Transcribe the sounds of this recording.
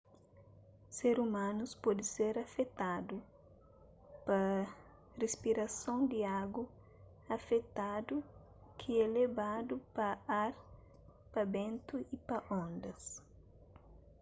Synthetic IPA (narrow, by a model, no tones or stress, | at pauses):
seɾumãnuspɔd̪ɪseɾɐfet̪ad̪u | pɐ | respiɾɐsõwd̪ɪaɡɐ | ɐfet̪ad̪u | kʰiɛlebad̪upɐaɾ | pɐbẽnt̪uipɐʔõnd̪ɐs